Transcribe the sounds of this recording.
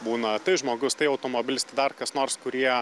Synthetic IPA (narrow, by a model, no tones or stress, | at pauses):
buːnɐt̪ɐɪʒmoːɡʊst̪ɐɪɐʊt̪oːmoːbʲɪlʲɪsʲt̪ɐɪd̪ɐrkɐsnoːɾskʊɾʲiɛ